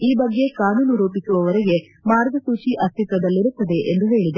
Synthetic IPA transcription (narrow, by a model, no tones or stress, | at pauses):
iːbɐɡːe̞kaːnuːnuɾoːpisuʋɐʋɐɾɛɡe̞ | maːɾɡʱɐsuːt͡ʃiʔɐst̪ʰit̪ɾɐd̪ɐlːiɾut̪ːɐd̪e̞ʔend̪uɦe̞ːɭid̪e